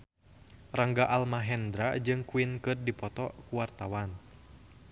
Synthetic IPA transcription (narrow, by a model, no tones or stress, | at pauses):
raŋɡaʔalmaɦɛnd̪ɾa̰d͡ʒɨŋkuinkɨrdipɔt̪ɔkuwart̪a̰wan